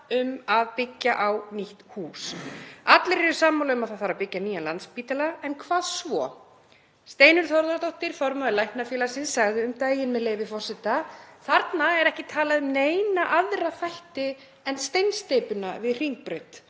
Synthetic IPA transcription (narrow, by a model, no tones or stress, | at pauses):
ʏmaðpɪcːaʔawniht̪huːsat̪lɪɾɛɾʏsaːmawlaʏmaðθaðθaːɾapɪcːaniːjanlant̪spiːt̪alaɛnkʰvaːðsvɔ | st̪eːjnʏɾ̥θɔɾðaɾt̪owht̪ɪɾ̥fɔɾmaʏlajhpnafjɛːlaɾ̥sɪnsaɣðʏʏmt̪aːjɪnmɛðleːjvɪfɔr̥sɛt̪aθaɾt̪naɛɾɛhcɪt̪ʰaːlaðʏmneːjnaʔaðɾafajht̪ɪ | ɛnst̪ejnst̪eːjpʏnavɪðr̥iŋk̚pɾœt̪